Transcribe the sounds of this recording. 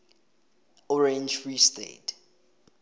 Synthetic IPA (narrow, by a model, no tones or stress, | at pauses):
ɔɹɛ̃nd͡ʒfɹistḛt